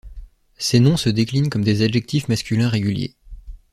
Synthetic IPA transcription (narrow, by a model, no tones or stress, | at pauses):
senɔ̃səd̪eklinkɔmd̪ezaʒɛk̚t̪ʰifmaskʲylɛ̃ʁeɡʲyljḛ